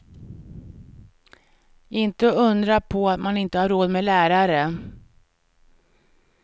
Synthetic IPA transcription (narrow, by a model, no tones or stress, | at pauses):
ɪnt̪əɵnd̪ɾapʰɔat̪manɪnt̪əhaɾːoːd̪mɛlæːɾaɾə